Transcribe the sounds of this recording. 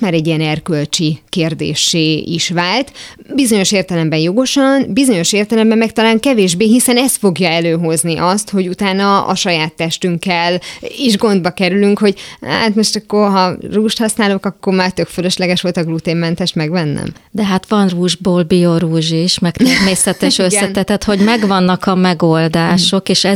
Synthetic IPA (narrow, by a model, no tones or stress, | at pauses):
maːɾɛɟːiɛnɛrkølt͡ʃikeːrd̪ḛːʃeːḭʃʋaːlt̪ | bizo̞ɲo̞ʃeːrt̪ɛlɛmbɛnjo̞ɡo̞ʃɒnbizo̞ɲo̞ʃeːrt̪ɛlɛmbɛmːɛk̚t̪ɒlaːŋkɛveːʒbeːɦisɛnɛst̪fo̞ɡjɒɛløːɦo̞zniʔɒst̪ho̞ɟut̪aːnɒɒ̰ʃɒjaːt̪ːɛʃt̪yŋkːɛliʒɡo̞nd̪bɒkɛɾylyŋkho̞ɟha̰ːt̪mo̞ʃt̪ɒkːo̞rɦɒruːʃt̪hɒsnaːlokɒkːo̞rmaːrt̪ø̞kføløʃlɛɡɛʃʋo̞lt̪ɒɡlut̪eːmːɛnt̪ɛʃt̪mɛɡʋɛnːɛ̰md̪ɛɦat̪ʋɒnruːʒboːlbioɾuːʒiʃmɛkt̪ɛmeːsɛt̪ɛʃøsɛnɛt̪ɛt̪ho̞ɟmɛɡvɒnːɒkɒmɛɡold̪aːʃo̞keːʃɛ